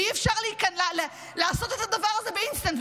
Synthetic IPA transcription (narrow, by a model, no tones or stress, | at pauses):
iɛfʃaʁlikɛnll | lasɔt̪ɛtad̪avaʁazɛbeinst̪ant